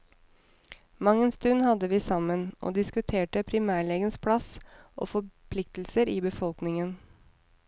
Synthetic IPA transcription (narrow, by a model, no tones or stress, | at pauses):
mɑŋːənst̪ʉnːhɑd̪əʋiːsɑmənʔo̰ːd̪ɪskʉt̪ʰeːʈəpʰɾɪmæːɭeːɡənspʰɽɑsʔo̰ːfɔpʰlɪk̚t̪l̩səɾiːbəfɔlknɪŋən